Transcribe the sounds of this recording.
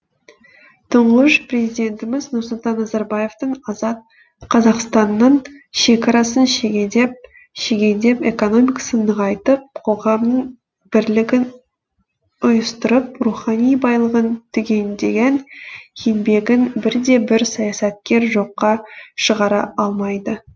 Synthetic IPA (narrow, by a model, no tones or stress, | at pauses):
t̪ʰəɴʁəʃpre̞zijd̪ʲe̞nt̪ɪmɪznʊɾsʊlˠt̪ɑnːɑzɑɾbɑje̞ft̪əɴ | qʰɑzɑqst̪ɑnːəɴʃe̞kɑɾɑsənʃeɡʲd̪ep | ʃeɡʲe̞nd̪e̞peko̞no̞mijkḁsənːəʁɑjt̪əp̚qʰo̞ʁɑmnəɴ | b̥ɪɾlɪɡʲɪn | ʊjəst̪ʊɾəp̚ruχɑnijbɑjlˠəʁənt̪ʰʏɡʲe̞nd̪e̞ɡʲenkʰenbe̞ɡʲɪnbɪɾd̪e̞bɪɾsɑjɑsɑt̪̚kʲe̞ɾʒo̞qːɑʃəʁɑɾɑ̰ɑlˠmɑjd̪ə